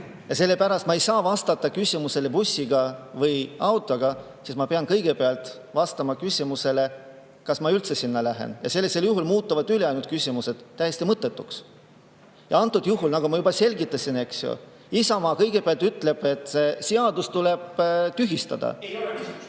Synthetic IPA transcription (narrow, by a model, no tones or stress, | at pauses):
jɑse̞lːe̞pæɾɑst̪mɑe̞jsɑːvɑst̪ɑt̪ːˑɑkysʲimuse̞le̞pusːiɡ̥ɑvɤjɑwt̪ˑoɡ̥ɑ | sismɑpeɑnkɤjɡ̥e̞peɑlt̪ˑ | vɑst̪ɑmɑkysʲimuse̞le̞ | kɑsmɑylt̪se̞sinːɑlæɦḛnjɑ̰se̞lːise̞ljuɦulmuːt̪ːˑɑvɑd̪yleɑjnult̪kysʲimuse̞d̪̥t̪ːæjest̪imɤt̪ːˑe̞t̪ːˑuks | jɑ̰ɑnt̪ːˑud̪̥juɦulnɑɡ̥umɑjubɑse̞lʲɡit̪ːˑɑsʲine̞ksjo̰ | isɑmɑːkɤjɡ̥e̞peɑlt̪yt̪ːˑle̞b̥e̞t̪ːˑseseɑd̪ust̪uleb̥t̪yɦist̪ɑ̰d̪̥ɑ̰